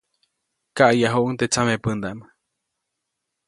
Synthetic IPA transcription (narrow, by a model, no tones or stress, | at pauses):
kaʔjaɦoʔuŋt̪et͡samepɨnd̪aʔm